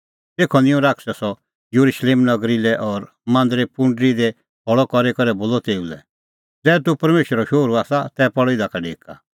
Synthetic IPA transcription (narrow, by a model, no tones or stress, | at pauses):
t̪eːkʰɔnɪ̃ɔ̃ɾaːksɛsɔ | juɾuʃleːmnɐɡɾilɛʔɔːɾ | mãːnd̪ɾepʊ̃ɳɖɾid̪ɛ | bɔɭɔkɔɾekɔɾɛboːlɔt̪eːulɛ̰ | d͡zɛːt̪̬upɐɾmeːʃəɾɔʃoːɾuaːsat̪ɛpɔɽɔid̪akaɖeːka̰